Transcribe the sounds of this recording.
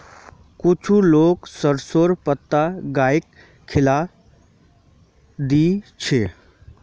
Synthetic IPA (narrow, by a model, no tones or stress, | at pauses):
kʊt͡ʃʰuloːksəɾsoːɾpət̪ːaɡaːɪkʰː | ɪla | d̪it͡ʃʰe